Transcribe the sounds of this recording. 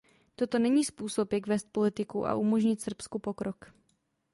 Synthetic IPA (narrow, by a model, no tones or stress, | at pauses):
t̪o̞t̪o̞nɛɲiːspuːso̞pjakvɛːst̪̚polɪt̪ɪkuʔa̰ʔumo̞ʒɲɪt̪sr̩pskupo̞kɾo̞k